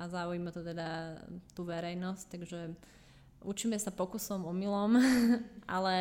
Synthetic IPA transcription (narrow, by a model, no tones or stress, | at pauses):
ʔazaujimat̪ɔt̪ɛd̪at̪uːʋɛɾɛjnɔsct̪aɡʒɛ | ʔut͡ʃiːmɛsapɔkusɔmɔmilɔmʔa̰lɛ